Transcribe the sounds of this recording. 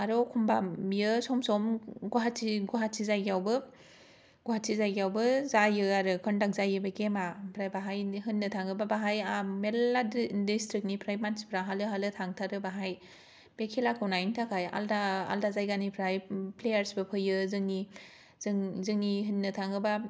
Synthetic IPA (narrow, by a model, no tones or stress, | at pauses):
aɾɔkʰumbajɯsɔmsɔmɡuɦatsiɡuɦatsizajɡijawbɯ | ɡuɦatsʰizajɡiawbɯzajɯaɾɯkʰɔndak̚zajɯbakemapʰɾajbaɦajɦɯnːɯtʰaŋɯbabaɦajameaddistɾik̚nipʰɾajmanspʰɾaɦalɯɦalɯtʰaŋtʰaɾɯbaɦaj | b̥ekʰilakʰɯwnajntʰakʰaja̰ldaa̰ldazajɡanipʰɾajplejaɾsbɯpʰɯjɯzɯŋni | zɯŋzɯŋniɦɯnːɯtʰaŋɯba